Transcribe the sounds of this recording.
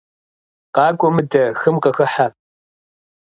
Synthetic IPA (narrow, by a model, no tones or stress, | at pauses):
qɑːkʷʼɔmɨdɐxɨmqɐxɐħa